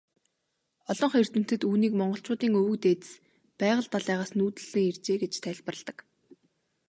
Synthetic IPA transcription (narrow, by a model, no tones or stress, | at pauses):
ɔɮɞ̆ɴχer̥t̪ɘ̆m̥t̪ɘ̆t̪uːniːkmɔɴɢɞ̆ɬt͡ɕʊːt̪iːŋɵwɵ̆kt̪eːt̪ɘ̥̆s | pæːʁə̆ɮt̪aɮæːʁaːsnuːt̪ɘ̆ɮ̥ɘ̆ŋer̥t͡ɕeːɡet͡ɕt̪ʰæɮʲpə̆rə̆ɮt̪ə̆k